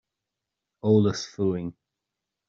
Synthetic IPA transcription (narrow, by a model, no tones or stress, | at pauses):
oːləsfuːɪŋ